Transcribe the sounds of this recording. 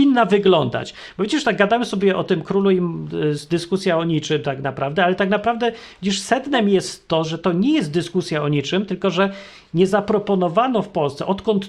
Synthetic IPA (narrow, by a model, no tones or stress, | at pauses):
inːavɘɡlɔnd̪a̰t͡ɕ | b̥ɔvʲjed͡ʑɛʂt̪aɡɡad̪amɘsɔbʲjɛʔɔt̪ɘmkɾuluimsd̪ɘskusʲjaɔɲit͡ʂɘmt̪aknapɾavd̪ɛalɛt̪aknapɾavd̪ɛvʲed͡ʑiʂsɛd̪nɛmjɛst̪ːɔʐɛt̪ɔɲɛjɛst̪̚d̪ɘskusʲjaɔɲit͡ʂɘmt̪ɘlkɔʐɛ | ɲɛzapɾɔpɔnɔvanɔfpɔlst̪sɛ̰ʔɔt̪kɔnt̪